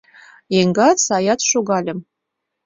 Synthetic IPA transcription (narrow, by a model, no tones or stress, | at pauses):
jeŋɡɑt̪sɑjɑt̪ʃoɣɑlʲə̆m